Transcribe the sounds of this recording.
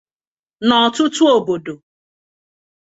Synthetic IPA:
nɔ˨tʊ˦tu˦o˨bo˨do˨

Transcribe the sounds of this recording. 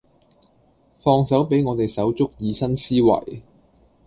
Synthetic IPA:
fɔː˧ŋsɐ˨˥wpe˨˥jŋɔː˨˧t̪e˨jsɐ˨˥wt͡sʊ˥k̚jiː˨˧sɐ˥nsiː˥wɐ̰˨˩j

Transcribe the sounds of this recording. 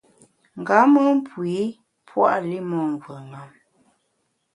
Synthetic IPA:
ŋ̩˨ɡa˨˦mɔ˦m˦pwi˨˦ | pʰwa̰˦ʔli˦mɔ˨ŋ˨ɡwə˨ŋa˨m

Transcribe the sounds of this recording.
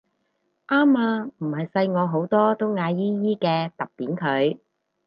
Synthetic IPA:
ʔaː˥maː˧m̩˨˩hɐ˨jsɐ˧jŋɔː˨˧ɦo˨˥wt̪ɔː˥t̪ʊ˥wŋaː˨˧jiː˥jiː˥kɛː˧t̪ɐ˨p̚piː˨˥nkʰɵ˨˧ɥ

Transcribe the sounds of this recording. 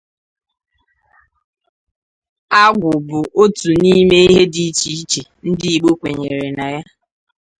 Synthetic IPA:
a˦ɡʷʊ˨bʊ˨ʔo˦tu˨ni˦me˦i˦ɦe˦di˦t͡ʃi˨i˦t͡ʃe˨n̩˦dɪ˦i˨ɡ͡bo˦kʷe˨ɲe˨ɾe˨na˨ja˦

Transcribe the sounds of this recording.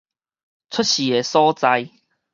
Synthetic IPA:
t͡sʰʊ˦˥t̚ɕi˨˩e˨sɔ˦t͡sa˧j

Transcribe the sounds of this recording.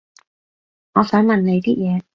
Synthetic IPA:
ŋɔː˨˧sœː˨˥ŋmɐ˨nne˨˧jt̪iː˥jɛː˨˧

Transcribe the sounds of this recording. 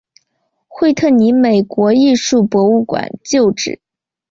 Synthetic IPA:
xwe˥˧ɪt̪ʰɤ˥˩ni˧˥me˨˩ɪkwɔ˧˥i˥˧ʂu˥˩pwɔ˧˥u˥˩kwa̰˨˩˦nt͡ɕjo˥˧ʊʈ͡ʂɻ̩˥˩˦

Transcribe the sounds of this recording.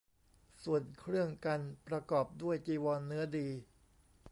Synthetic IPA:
su˨˩ənkʰɾɯ˥˩əŋka˧npɾa˧kɔː˨˩p̚du˥˩əjt͡ɕiː˧wɔː˧nːɯ˦˥ɐdiː˧

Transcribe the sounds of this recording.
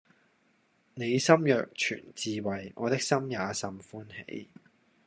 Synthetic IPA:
ne˨˧jsɐ˥mjœː˨k̚t͡ʃʰy̰ː˨˩nt͡siː˨wɐ˨˩jŋɔ̰ː˨˧t̪ɪ˥k̚sɐ˥mjaː˨˧sɐ˧mfuː˥nhḛ˨˥j

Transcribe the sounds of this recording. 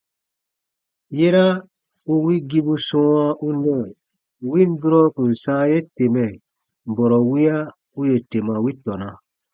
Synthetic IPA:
je˦ɾa˦ | u˦wi˦ɡi˦bu˦sɔ̃˦ã˦ʔu˦nɛ̃˦˨ | wĩ˦n˦du˦ɾɔ˦kũ˨n̩˨sãː˦je˦te˨mɛ˨ | bɔ˨ɾɔ˨wi˦a˦ | u˦je˨te˨mã˨wi˦tɔ˨nã˨

